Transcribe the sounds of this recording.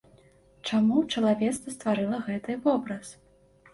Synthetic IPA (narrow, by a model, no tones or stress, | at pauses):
t͡ʂamut͡ʂɐlˠavʲɛt̪st̪vɐst̪vaɾɨlˠɐɣɛt̪ɨvɔbɾɐs